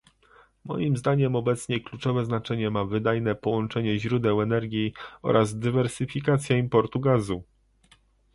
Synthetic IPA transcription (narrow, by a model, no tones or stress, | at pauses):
mɔ̰jimzd̪aɲɛmɔbɛt̪sɲɛklut͡ʂɔvɛznat͡ʂɛɲɛmavɘd̪ajnɛpɔwɔnt͡ʂɛɲɛʑɾud̪ɛwɛnɛɾɡʲjiɔ̰ɾʔazd̪ɘvɛɾsɘfʲikat̪sʲjaimpɔɾt̪uɡazu